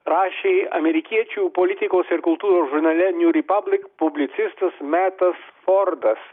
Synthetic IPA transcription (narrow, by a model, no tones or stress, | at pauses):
ɾɑːʃʲeːɐmʲɛɾʲɪkʲiɛt͡ʃʲuːpɔlʲɪt̪ʲɪkoːsɪɾkʊlˠt̪uːɾoːsʒʊɾnɐlʲɛnʲuɾʲɪpɐblʲɪkpʊbʲlʲɪt̪sʲɪst̪ɐsmʲæːt̪ɐsfɔɾd̪ɐs